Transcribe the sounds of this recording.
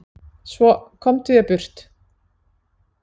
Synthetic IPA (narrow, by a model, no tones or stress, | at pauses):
svɔkʰɔmt̪ʰɪðjɛpʏr̥t̪